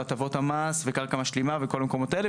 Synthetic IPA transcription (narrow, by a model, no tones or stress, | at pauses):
at̪avo̞thamasvekaʁkamaʃlimaveko̞lmeko̞mo̞t̪aele